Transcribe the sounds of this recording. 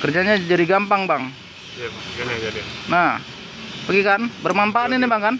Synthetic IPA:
kərd͡ʒaɲad͡ʒadiɡampaŋbaŋ | nah | pəɡikanbərmampaninibaŋkan

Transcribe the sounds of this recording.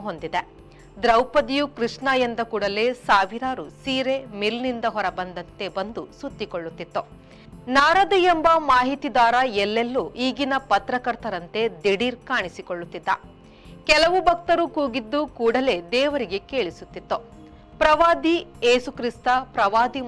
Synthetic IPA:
ɦond̪id̪e | d̪ɾɐwpɐd̪ijukɾiʂɳaːjɐnd̪ɐkuːɽɐle̞ːsaːʋiɾaːɾusiːɾe̞milnind̪ɐɦɔɾɐbɐnd̪ɐnt̪e̞bɐnd̪usut̪ːikoɭːut̪ːit̪ːu | naːɾɐd̪ɐjembɐmaːɦit̪id̪aːɾɐɛlːelːuʔiːɡinɐpɐt̪ɾɐkɐɾt̪ɐɾɐnt̪e̞d̪eɽiːɾkaːɳisikoɭːut̪ːid̪ːɐ | kɛlɐʋubʱɐk̚t̪ɐɾukuːɡid̪ːukuːɽɐle̞d̪ɛːʋɐɾiɡe̞keːɭisut̪ːit̪ːu | pɾɐʋaːd̪ieːsukɾist̪ɐpɾɐʋaːd̪i

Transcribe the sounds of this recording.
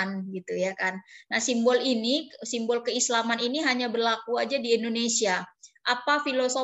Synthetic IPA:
nɡit̪ujakannahsimbɔlinisimbɔlkəislamaniniɦaɲabərlakuad͡ʒadiɛndonesiaʔapafiloso

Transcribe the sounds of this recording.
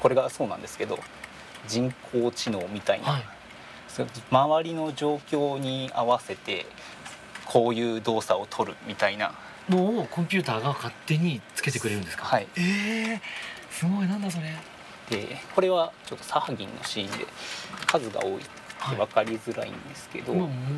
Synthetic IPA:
ko̞ɾe̞ɡasoːnã̰nd̪e̞sɨ̥ke̞d̪o̞̰ | d͡ʑĩŋkʰo̞ːt͡ɕino̞ːmʲit̪aḭnai | somaβaɾʲino̞d͡ʑo̞ːkʲo̞ːɲ̟iaβase̞t̪e̞̰ | kʰo̞ːjɯ̟ːd̪o̞ːsao̞t̪ʰo̞ɾɯ̟̰mʲit̪aina̰ | no̞ːkõmpʲɨːt̪aːɡakat̪ːe̞ɲ̟it͡sɨ̥ke̞t̪e̞kɯ̟ɾe̞ɾɯ̟nd̪esɨ̥kahaie | sɨɡo̞inãnd̪asoɾe | d̪̥e̞ko̞ɾe̞βat͡ɕo̞t̪ːosahaɡʲḭ̃nːʔo̞̰ɕiːnd̪e̞̰kʰazɨɡa̰oːḭ | eβakaɾʲizɨɾa̰ḭ̃nd̪e̞sɨ̥ke̞d̪o

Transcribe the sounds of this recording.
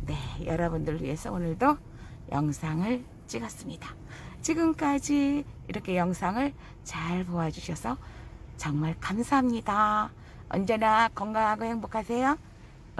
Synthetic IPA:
ne̞jʌɾʌbundɯɭːwḭe̞sʰʌonɯɭdo | jʌ̰ŋsʰaŋɯɭ | t͡ɕ͈iɡʌs͈ɯmɲida | t͡ɕiɡɯmk͈ad͡ʑiiɾʌkʰe̞jʌŋsʰaŋɯɭ | t͡ɕaɭpoad͡ʑuɕʰʌsʰʌt͡ɕʌŋmaɭkamsʰaɦamɲida | ʌ̰nd͡ʑe̞nakʌŋɡaŋɦaɡoheŋbokʰasʰe̞jo

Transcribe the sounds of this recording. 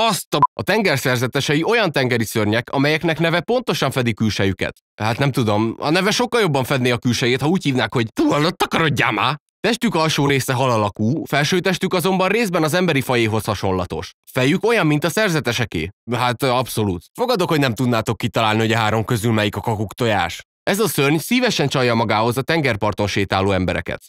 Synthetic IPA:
ɒst̪ɒɒt̪ɛŋɡɛrsɛrzɛt̪ɛʃɛjio̞jɒnt̪ɛŋɡɛɾisørɲɛkɒmɛjɛknɛknɛvɛpo̞nt̪o̞ʃɒɱfɛd̪ikylʃɛjykɛ̰t̪ | haːt̪nɛmt̪ud̪o̞mɒ̰nɛvɛʃo̞kːɒljo̞bːɒɱfɛd̪neːɒkylʃɛjeːt̪hɒuːchiːvnaːkho̞ɟt̪uːlɒlot̪ːɒkɒɾo̞ɟːa̰ːmaː | t̪ɛʃt̪ykɒlʃoːɾeːsɛɦɒlɒlɒkuːfɛlʃøːt̪ɛʃt̪ykɒzo̞mbɒnreːzbɛnɒzɛmbɛɾifɒjeːɦo̞shɒʃo̞nlːɒt̪o̞̰ʃ | fɛjyko̞jɒmːint̪ɒsɛrzɛt̪ɛʃɛkḛːɦaːt̪ɒpso̞luːt̪fo̞ɡɒd̪o̞khoɟnɛmt̪ud̪naːt̪o̞kːit̪ɒlaːlniho̞ɟɒɦaːɾo̞mkø̞zylmɛjikɒkɒkukt̪o̞ja̰ːʃ | ɛzɒsørɲsiːvɛʃɛnt͡ʃɒjɒmɒɡaːɦo̞zɒt̪ɛŋɡɛrpɒrt̪o̞nʃeːt̪aːlːoːɛmbɛɾɛ̰kɛ̰t̪

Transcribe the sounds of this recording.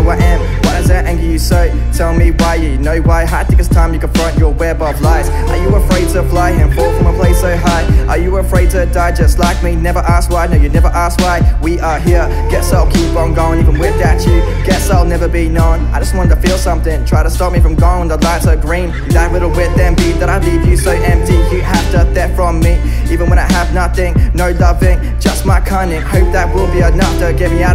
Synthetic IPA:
waɛ̃n | wʌɾɨzɨɾæ̃ŋɡɨjɨsoʊ | tʰɛlˠɪ̃ŋmiwaɪjɨjɨnoʊwaɪɦatʰɪkɨstʰãɪ̃mjɨkə̃nfɹʌ̃nt͡ʃə˞wɛɹbʌvlaɪz̥ | ə˞jɨəəfɹeɪd̚tʰəflaɪɪ̃nfɔkfɹʌ̃məpʰl̥eɪsoʊɦaɪʔə˞jɨəfɹeɪd̚tʰɨdaɪd͡ʒɛstˡlaɪk̚minɛvə˞ʔæst̚waɪnoʊjɨnɛvə˞ʔæst̚waɪwiʔə˞ɦiɹ | ɡ̥ɛtsɛlˠkʰipə̃nɡoʊɪ̃ŋivə̃nwɪdæt͡ʃʉ | ɡ̥ɛtsɛnɛvə˞binə̃naɪd͡ʒʌst̚wɑ̃ñtʰəfilˠsʌ̃mθɪ̃ŋtʰɹ̥aɪɾəstɔp̚mifɹʌ̃mɡoʊɪ̃ŋwə̃nðəlaɪtsəɡɹĩn | ðət̚lɪɾl̩ˠwɪt̪̚ðɨ̃nbiðɨɾaɪlivjɨsoʊʔɛ̃mp̚tijɨɦæftəθɛtfɹʌ̃mːi | ivɨ̃nwə̃ɾ̃aɪəvnʌθɪ̃ŋnoʊlʌvɪ̃ŋ | d͡ʒ̥ʌst̚maɪkʰʌ̃ɪ̃ndɪ̃ŋhoʊp̚ðɨt̚wɪlˠbiənʌftɨɡɛvmiaʊɾ

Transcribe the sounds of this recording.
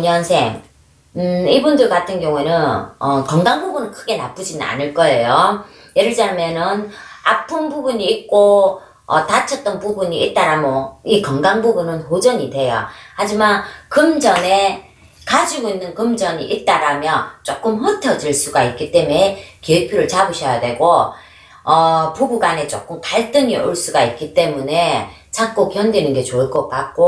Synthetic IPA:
ɲʌnsʰe̞̰ŋ | ɯibundɯɭkatʰɯnɡjʌŋue̞nɯnʌkʌŋɡaŋbubunɯnkʰɯɡe̞na̰p͈ɯd͡ʑinɯna̰nɯɭk͈ʌejo | jeɾɯɭd͡ʑamjʌnɯnapʰɯnbubuɲiːt̚k͈o | ʌ̰tat͡ɕʰʌt̚t͈ʌnpubuɲiit̚t͈aɾamoikʌŋɡaŋbubunɯnɸod͡ʑʌɲidwe̞jo̰had͡ʑimankɯmd͡ʑʌne̞ | kad͡ʑiɡoinːɯnkɯmd͡ʑʌɲiʔit̚t͈aɾamjʌt͡ɕ͈ok͈ɯmhʌtʰʌd͡ʑɯɭs͈uɡait̚k͈it͈e̞mekiepʰjoɾɯɭt͡ɕabɯɕʰʌjadwe̞ɡo | ʌpoɡuɡane̞t͡ɕ͈ok͈ɯmkaɭt͈ɯŋiʔo̰ɭs͈uɡait̚k͈it͈e̞mune̞ | t͡ɕʰak̚k͈okjʌndwinɯnɡe̞t͡ɕoɯɭk͈ʌt̚k͈ak̚k͈o

